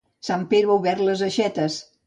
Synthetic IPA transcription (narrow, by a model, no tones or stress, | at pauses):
sampeðɾowβɛɾləzəʃɛt̪əs